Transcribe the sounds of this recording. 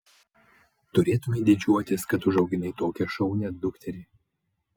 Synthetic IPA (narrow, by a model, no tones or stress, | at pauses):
t̪ʊɾʲeːt̪ʊmʲɛd̪ʲɪd͡ʒʲuɔt̪ʲɪskɐt̪ʊʒɐʊɡʲɪnɐɪt̪oːkʲɛʃɐʊnʲɛd̪ʊkt̪ʲɛɾʲeː